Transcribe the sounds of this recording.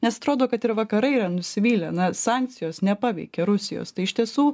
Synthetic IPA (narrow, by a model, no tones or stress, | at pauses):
nʲɛsɐt̪ɾoːd̪oːkɐt̪ɪɾʋɐkɐɾɐɪiːɾɐnʊsʲɪʋʲiːlʲɛnɐsɑːŋʲk̚tsʲɪjoːsnʲɛpɑːʋʲɛ̰ɪkʲeɾʊsʲɪjo̰ːst̪ɐɪɪʃʲt̪ʲiɛsuː